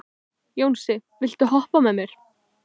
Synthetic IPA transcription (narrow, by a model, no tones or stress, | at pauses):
joːwnsɪvɪl̥t̪ʏɦɔhpamɛmjɛɾ̥